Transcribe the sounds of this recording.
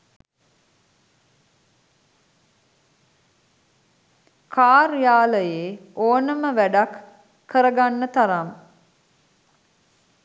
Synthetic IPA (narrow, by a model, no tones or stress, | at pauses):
kʰaːɾjaːləjeːoːnəməʋæɖakː | əɾəɡanːət̪aɾam